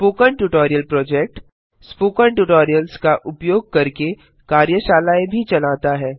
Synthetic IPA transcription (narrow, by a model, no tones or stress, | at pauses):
poːkəɳʈuʈɔːɾijəlpɾɔːd͡ʒeːk̚ʈ | spoːkəɳʈuʈɔːɾijəlskaʔʊpjoːɡ̚kɐɾke | kaːɾjəʃaːlaːebʱit͡ʃɐlaːt̪aɦɛː